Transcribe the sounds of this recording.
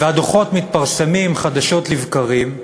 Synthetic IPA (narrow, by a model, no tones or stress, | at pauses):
vead̪oχo̞tmit̪̚paʁsemimχad̪aʃo̞t̪livkaʁim